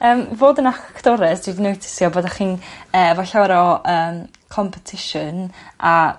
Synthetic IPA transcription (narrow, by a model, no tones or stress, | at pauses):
əːmvoːdənakkʰd̥ɔɾɛsd̥widnowtʰɪ̥sjɔboːdaχiːnəːvaɬaɾɔʔəːm | kʰɔmpʰɛtʰɪʃʊna